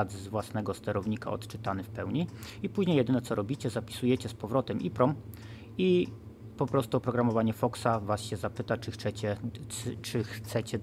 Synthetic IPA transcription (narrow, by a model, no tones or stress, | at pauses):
ad̪zzvwasnɛɡɔst̪ɛɾɔvɲika̰ɔ̰t̪t͡ʂɘt̪anɘfpɛwɲiipuʑɲejɛd̪ɘnɛt̪ɔɾɔbʲit͡ɕɛzapʲi̥sujɛt͡ɕɛspɔvɾɔt̪ɛmʔipɾɔm | i | pɔpɾɔst̪uɔpɾɔɡɾamɔvaɲɛfɔksavasɕɛzapɘt̪at͡ʂɘxt̪sɛt͡ɕɛ | t͡ʂɘxt̪sɛt͡ɕɛ